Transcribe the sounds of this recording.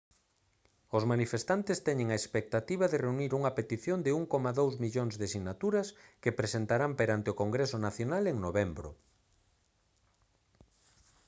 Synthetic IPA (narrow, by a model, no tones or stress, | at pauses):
ʊzmanifest̪ant̪ɪst̪ɛɲeŋaespek̚t̪at̪iβ̞aɐðereuniɾuŋɐpet̪iθjond̪ɪuŋkomaðowzmiʎoŋzðesinat̪uɾɐskepɾesent̪aɾampeɾant̪ɪokoŋɡɾesʊnaθjonaleŋnoβembɾʊ̰